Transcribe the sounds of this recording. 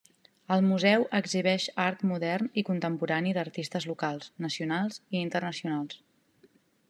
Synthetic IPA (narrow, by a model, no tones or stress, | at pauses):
əlˠmuzɛwʔəɡziβ̞ɛʃaɾt̪muðɛrnikunt̪əmpuɾaniðəɾt̪ist̪əzlukalˠsnəsiunalˠziːnt̪ərnəsiunalˠs